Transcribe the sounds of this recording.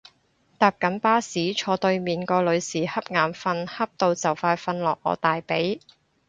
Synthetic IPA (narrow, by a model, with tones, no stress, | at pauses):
t̪aː˨˩p̚kɐ˨˥npaː˥siː˨˥t͡ʃʰɔː˧t̪ɵ˧ɥmiː˨˩nkɔː˧lɵ˨˧ɥsiː˨˩hɐ˥p̚ŋaː˨˩mfɐ˧nhɐ˥p̚t̪o˧wt͡sɐ˨˩wfaː˧jfɐ˧nlɔː˨k̚ʔɔ̰ː˨˧t̪aː˨jpe˨˥j